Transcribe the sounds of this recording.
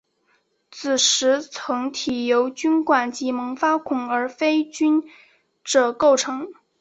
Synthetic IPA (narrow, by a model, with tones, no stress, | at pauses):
t͡sʰɹ̩˨˩ʂɻ̩˧˥t͡sʰɤ˧˥ŋt̪ʰi˨˩jo˧˥ʊt͡ɕy˥nkwa˨˩nt͡ɕi˧˥mɤ˧˥ŋfa˥kʰʊ˨˩ŋə˞˧˥fe˥ɪt͡ɕy˥n | ʈ͡ʂɤ˨˩ko˥˩ʊʈ͡ʂʰɤ˧˥ŋ